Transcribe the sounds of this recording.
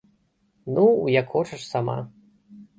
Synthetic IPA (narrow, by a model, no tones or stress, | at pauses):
nujɐkxɔt͡ʂɐʂsama̰